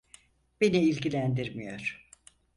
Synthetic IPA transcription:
b̥eniilʲɟilʲænd̪iɾmijo̞ɾ̥

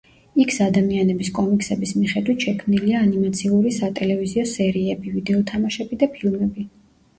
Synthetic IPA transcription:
ikʰsad̪amianɛbiskʼɔmiksɛbismiχɛd̪wit̪ʃɛkʰmniliaːnimat̪sʰiuɾisat̪ʼɛlɛviziɔsɛɾiɛbivid̪ɛɔt̪ʰamaʃɛbid̪apʰilˠmɛbi

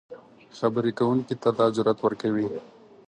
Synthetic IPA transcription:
xɐbɾikawuŋkit̪ad̪ɑːzʊɾat̪wəɾkawi

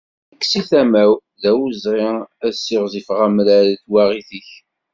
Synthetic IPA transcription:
əkːsiθæmæwðæwuzʁɪæsiʁzifʁæmlæɾæθwaʁiθəç

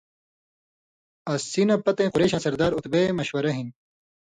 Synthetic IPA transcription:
ɐsːinɐpɐt̪ẽːquɾeːɕɐ̃sɐɾd̪aːɾut̪bemɐɕwɐɾɐɦin

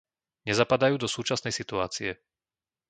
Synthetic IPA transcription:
ɲɛzapad̪ajuːd̪ɔsuːt͡ʃasnɛjsit̪uaːt͡siɛ

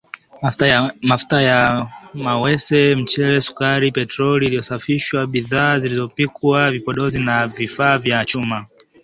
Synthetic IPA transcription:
mafu̥tajamawɛsɛm̩t͡ʃɛɾɛsu̥kaɾipɛtɾɔliːlijɔsafiʃwaɓiðaːzilizɔpikwavipɔɗɔzinavifaːvjaːt͡ʃuma

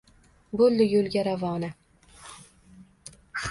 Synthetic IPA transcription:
bolːɪjolɡʲaɾavɒːna

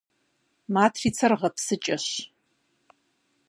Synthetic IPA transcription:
maːtʰriːt͡sʰɐrʁɐpsɨt͡ʃʼɐɕ

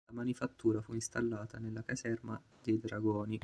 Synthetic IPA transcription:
amanifat̪ːuːɾafuinst̪alːaːt̪anelːakazɛrma | d̪ejd̪ɾaɡɔːni

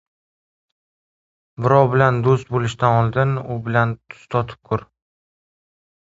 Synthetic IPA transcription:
bɪɾɒwbɪland̪ost̪̚bolɪʃt̪anɒlˠd̪ɪnʊbɪlant̪ʰʊ̥st̪ʰɒt̪ʰɪ̥p̚kʰʊɾ

